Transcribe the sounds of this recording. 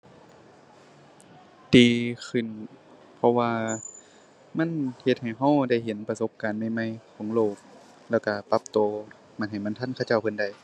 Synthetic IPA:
diː˨˧kʰɯ˧˩˨n | pʰɔ˧waː˧ | ma˧˥˨nhe˧t̪̚ha˨˩jɦa˧˥˩wda˧˩jɦe˨˦npa˧so˧˥p̚kaː˨nma˧˥˩jma˧˨jkʰɔː˨˦ŋloː˧˩k̚ | lɛː˧˩wka˧˩pa˧p̚t̪oː˧ | ma˧˥˩nɦa˨˩jma˧˥˨t̪ʰa˧˥˨nkʰa˧˩˨t͡ɕa˧˩wpʰɤ˧˨nda˧˩j

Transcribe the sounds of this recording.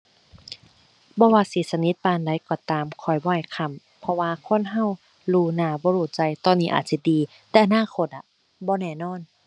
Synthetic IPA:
bɔː˧˦waː˧siː˨˦sa˧ni˧˦t̪̚paː˧nda˧˩˨jkɔː˧˩t̪aː˨mkʰɔ˧˩jbɔː˧˨˩kʰa˧˨m | pʰɔ˧waː˧kʰo˧˥˨nɦa˧˨w | luː˧naː˧˨bɔː˧˦ɾuː˧˩t͡ɕa˧jt̪ɔː˧˨nːiː˧ʔa̰ː˨˩t̪̚si˧˩diː˨˧ | t̪ɛː˧˨ʔa˧naː˧˥˨kʰo˧˩t̪̚ʔa˧˩ | bɔː˧˦nɛː˧˩˨nɔː˧˥˨n

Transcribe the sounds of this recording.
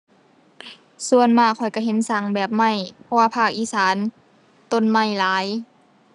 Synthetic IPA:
su˧ənmaː˧˩kʰɔ˨˩jka˧˩ɦe˨˦nsa˨˧˦ŋbɛː˨˩p̚ma˧˩jpʰɔ˧waː˧pʰaː˧˩k̚ʔiː˧˨saː˨˦n | t̪o˧˩˨nma˧˩jlaː˨˦j

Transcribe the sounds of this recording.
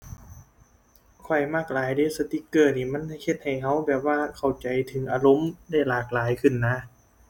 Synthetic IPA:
kʰɔ˨˩jmaː˥˩k̚laː˨˦jdeː˧˥˩sa˧t̪i˧˥kːɤː˧˩niː˧˩ma˧˥˨n˩he˧˥t̪̚ha˨˩jɦa˧˥˩wbɛː˨˩p̚waː˧˩kʰa˨˩wt͡ɕa˨˦jt̪ʰɯ˨˩˦ŋʔaː˧lo˧˥˨mda˥˩jlaː˨˩k̚laː˨˦jkʰɯ˧˩nːa˧˥

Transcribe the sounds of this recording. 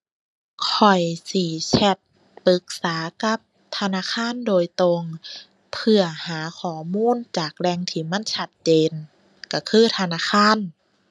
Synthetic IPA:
kʰɔ˨˩jsi˧˩sʰɛ˧˩t̪̚ | pɯ˨˧˦k̚saː˨˦ka˧˦p̚ | t̪ʰa˧naː˧˥˨xʰaː˧˥˨ndoː˧˨jt̪o˧ŋ | pʰɯ˧ɐhaː˨˦kʰɔː˧˩˦muː˧˥˨nt͡ɕaː˨˩k̚lɛː˧˨ŋt̪ʰiː˧˩ma˧˥˨nt͡ɕʰa˧˩t̪̚t͡ɕeː˧˨n | ka˧˩kʰɯː˧˥˨t̪ʰa˧naː˧˥˨xʰaː˧˥˨n

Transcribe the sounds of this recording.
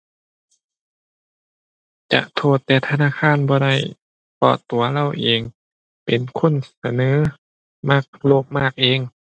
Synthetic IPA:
t͡ɕa̰˧ʔt̪ʰoː˧˩t̪ːɛː˧˩t̪ʰa˧naː˧˥˨kʰaː˧˥˨nbɔː˧˦da˧˥˩j | pɔ̰ː˧˩t̪ːu˨˦ɐla˧˥˨wʔeː˨˧ŋ | pe˨nkʰo˧˥˨nsa˧nɤː˨˦ | ma˧˥˩k̚loː˧˩p̚maː˥˩k̚ʔeː˧˨ŋ

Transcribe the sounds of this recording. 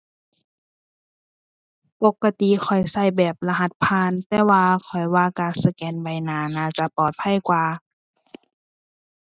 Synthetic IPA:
po˧kːa˧t̪i˧˨kʰɔ˨˩jsa˧˩˨jbɛː˨˩p̚la˧ɦa˧t̪̚pʰaː˧˥˨nt̪ɛː˧˩waː˧kʰɔ˨˩jwaː˧˨kaː˧˩sa˧kɛː˨˧˨nba˨˧˩jnaː˨˧˩naː˧˨t͡ɕa˧˦pɔː˨˩t̪̚pʰa˧˥˨jkwaː˧

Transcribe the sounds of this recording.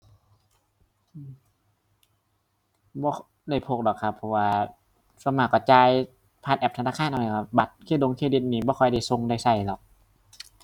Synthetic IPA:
bɔː˧˩ | da˧˩jpʰoː˧˩k̚dɔ˨˩kʰa˧˩pʰːɔ˧waː˧ | sa˧maː˧˩kːɔː˧˩t͡ɕaː˧j | pʰaː˧nʔɛː˨˩p̚tʰa˧naː˧˥˩kʰaː˧˥˩nʔa˧n˧˩kɔ˧˩ba˨˦˩t̪̚kʰeː˧˥˩do˧ŋkʰeː˧˥˩di˧˩t̪̚niː˧˩bɔː˧˦kʰɔ˧˩jda˧˩˨jso˧ŋda˧˩jsa˧˩jlɔ˨˩k̚

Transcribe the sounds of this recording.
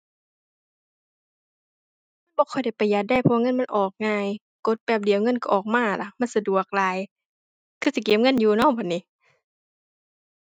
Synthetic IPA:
ma˧˥˨nbɔː˧˦kʰɔ˨˩jda˧˩jpa˨˩jːaː˨˩k̪̚da˧˥˩jpʰɔ˧wa˧ŋɤ˧˥˨nma˧˥˨nʔɔː˨˩k̚ŋaː˧j | ko˧˦t̪̚bɛː˨˩p̚di˨˦ə˦wŋɤ˧˥˨nka˧˩ʔɔː˨˩k̚maː˧˥˩la˧˩ma˧˥˨sa˧du˨˩ək̚laː˨˧˦j | kʰɯː˧˩si˧˦keː˨˦m̚ŋɤ˧˥˨njuː˧˩nɔː˧˩˨ŋpʰɔ˨˩nːiː˧˦

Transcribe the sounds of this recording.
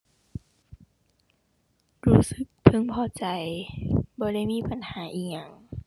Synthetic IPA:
ɾuː˦˥sɯ˧˦k̚t̪ʰɯ˧˥˨ŋpʰɔː˧˩t͡ɕa˨˦jbɔː˧˦ɾa˧˥˩jmiː˧˥˨pa˧˦nhaː˨˦ʔiː˧˩k̚ŋa˧˩ŋ

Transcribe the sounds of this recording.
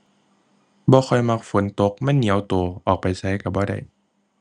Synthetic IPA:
bɔː˧˦xʰɔ˧˩jma˧˥k̚fo˨˦nt̪o˧˥k̚ma˧˥˨nːi˨˦ə˦wt̪oː˧ʔɔː˨˩k̚pa˧jsa˧˥jka˧˩bɔː˧˦ɾa̰˧˩j

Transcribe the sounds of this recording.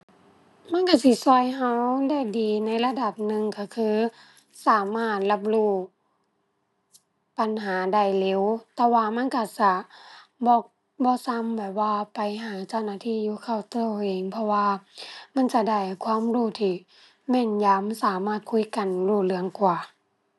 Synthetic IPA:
ma˧˥˨nka˧˩si˧˩sɔː˧˩jɦa˧˥wda˧˨jdiː˨na˧˥jla˧da˨˩p̚nɯ˧ŋka˧˩kʰɯː˧ | saː˨˦maː˧˩t̪̚la˧p̬̚luː˧˩ | pa˨nɦaː˨˦da˧˩jle˧˨wt̪ɛː˧waː˧ma˧˥˨nka˧˩sa˧˩bɔː˧˦ | bɔː˧˦sa˧˥mbɛː˨˩p̚waː˧pa˨˩jɦaː˨˦t͡ɕa˧˨wnaː˧˨t̪ʰiː˧˥˨juː˧˦kʰa˧˩wt̪ɯ˧˩˨wʔeː˨˩ŋpʰɔ˧waː˧ma˧˥˨nt͡ɕa˧da˧˩jkʰwaː˧˥˨mluː˧˩t̪ʰiː˧˩ | mɛː˧˩˨njaː˧˦msaː˨˦maː˧˩t̪̚kʰu˧˥˨ka˨nluː˧˩lɯ˧˦əŋkwaː˨˩

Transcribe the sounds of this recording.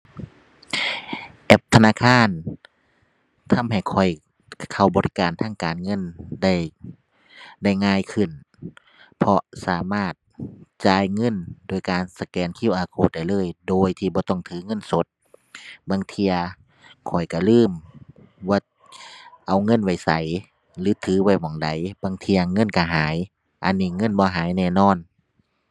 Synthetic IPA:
ʔɛ˧˩p̚t̪ʰa˧naː˧˥˨kʰaː˧˥˨n | t̪ʰa˧˥˨mha˨˩jkʰɔ˨˩j | kkʰa˨˩wbɔː˨˧ɾi˦˧kaː˨nt̪ʰaː˧˥˨ŋkaː˨nŋɤ˧˥˨nda˧˩j | da˧˩jŋaː˧˨jkʰɯ˧˩n | pʰɔ˧saː˨˦maː˧˩t̪̚t͡ɕaː˧jŋɤ˧˥˨ndoː˧˩˨jkaː˨nsa˧kɛː˨nkʰi˧˥˨wʔaː˨˧˦kʰoː˧˩t̪̚da˧˩jlɤː˧˥˨jdoː˨jt̪ʰiː˧˩bɔː˧˦t̪ɔ˧˩˨ŋt̪ʰɯː˨˦ŋɤ˧˥˨nso˨˦t̪̚ | baː˧˨ŋt̪ʰi˧ɐ | kʰɔ˨˩jka˧˩lɯː˧˥˨m | wɔ˧˦ | ʔa˨˩wŋɤ˧˥˨nwa˧˩jsa˨˦j | lɯː˨˦t̪ʰɯː˨˦wa˧˩jmɔ˧˩˦ŋda˨˦jbaː˧˨ŋt̪ʰi˧ɐŋɤ˧˥˨nka˧˩ɦaː˨˦j | ʔa̰˧˨nːiː˧˨ŋɤ˧˥˨nbɔː˧˦ɦaː˨˦jnɛː˧˩˨nɔː˧˥˨n

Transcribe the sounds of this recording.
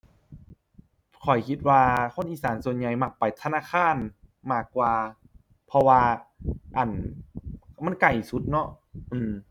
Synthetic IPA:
kʰɔ˨˩jkʰi˧t̪̚waː˧kʰo˧˥˨nʔiː˨˩saː˨˦nsu˨˩ənɲa˨˧˩jma˧˩k̚pa˨˩jt̪ʰa˧naː˧˥˨kʰaː˧˥˨nmaː˧˩kːwaː˧ | pʰɔ˧waː˧ʔa˨˩n | ma˧˥˨nka˨˩jsu˧˦t̪̚nɔ˧˥ʔ | ʔɯː˧˩m

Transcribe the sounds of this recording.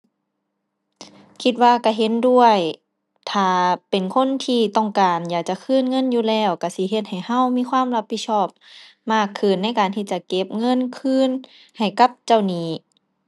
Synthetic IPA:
kʰi˧t̪̚waː˧˨ka˧˩ɦe˧˦ndu˧˩əj | t̪ʰaː˨˧˩pe˨˩nkʰo˧˥˨nt̪ʰiː˧t̪ɔ˧˩ŋkaː˨njaː˨˩k̚t͡ɕa˧˦kʰɯː˧˥˨nŋɤ˧˥˨njuː˧˨lɛː˧˩wka˧˩si˧˦ɦe˧t̪̚ha˨˩jha˧˥˨wmiː˧˥˨kʰwaː˧˥˨mla˧p̚ʰi˧t̪̚sɔː˧˩p̚ | maː˧˩kʰːɯː˧˩˨nːa˧˩˨jkaː˨˩nt̪ʰiː˧˩t͡ɕa˧˨ke˧˥p̚ŋɤ˧˥˨nkʰɯː˧˥˨n | ha˨˩jka˧˥˦p̚t͡ɕa˧˩˨wniː˧˩

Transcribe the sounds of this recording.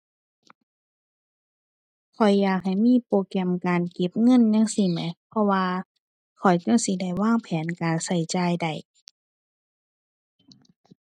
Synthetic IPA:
kʰɔ˨˩jːaː˧˩k̚ha˨˩jmiː˧˥˨poː˧˩kɛ˧˥˨mkaː˨nke˧˦p̚ŋɤ˧˥˨nja˧˥˨ŋsi˧mɛ˨˧˦pʰɔ˧waː˧ | kʰɔ˨˩jkaː˧˥˨si˧˦da˧˩jwaː˧˥˩ŋpʰɛː˨˦nkaː˨˩nsa˧˩jt͡ɕaː˧jda˨˩j

